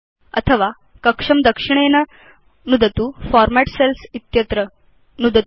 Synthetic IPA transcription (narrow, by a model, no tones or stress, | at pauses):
ə̰t̪ʰəʋa | kəkʂɐmd̪əkʂiɳ̃enɐ | nud̪ət̪uːfɔɾmæʈselsit̪jɐt̪ɾə | nud̪ət̪